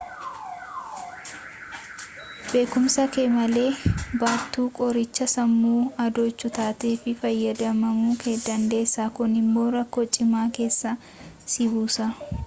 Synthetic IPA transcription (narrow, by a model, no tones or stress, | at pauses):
be̞ːkʊmsɐke̞ːmɐle̞ːbaːt̪ːuːkʼɔɾɪt͡ʃːɐsɐmːuːɐd̪oːt͡ʃːʊt̪aːt̪eːfɪfɐjːɐd̪ɐmɐmuːkeːd̪ɐnd̪e̞ːsːaːkʊnɪmːo̞ːɾɐkːoːt͡ʃʼːɪmaːke̞ːsːɐ | sɪbuːsaː